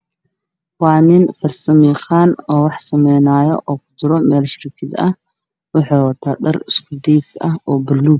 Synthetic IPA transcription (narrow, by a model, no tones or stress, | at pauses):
waːnɪnfɐrsɐmiːχaːnɔːwɑħsɐmɛjnaːjɔ̰ʔɔːkʰʊ̥d͡ʒɪɾɔmɛːlʃɪrkʰɪd̪ɐh | wʊħuːwɐt̪ʰaːd̪ɐrɪskʰʊd̪iːsɐɦɔːbɐlːuː